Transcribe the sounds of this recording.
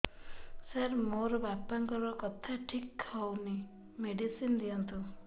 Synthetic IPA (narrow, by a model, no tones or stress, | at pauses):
saɾmoɾɔbapaŋkɔɾɔkɔt̪ʰaʈʰikʰːawni | meɖisind̪iɔnt̪ʰu